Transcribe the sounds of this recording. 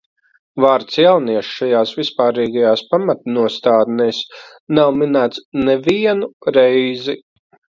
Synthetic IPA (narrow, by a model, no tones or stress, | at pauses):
vaːɾt̪sjawniɛʃʃajaːsvispaːɾiːɡajaːspamat̪̚nuɔst̪aːd̪nɛːs | nawminaːt̪snɛviɛnuɾɛjzi